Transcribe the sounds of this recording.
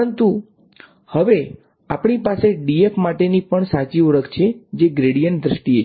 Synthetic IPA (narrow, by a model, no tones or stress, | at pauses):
ənt̪u | həʋe | apɳipaseɖiefmaʈenipəɳsat͡ʃioɭəkt͡ʃʰed͡ʒeɡɾeɽijənd̪ɾəʃʈiet͡ʃʰ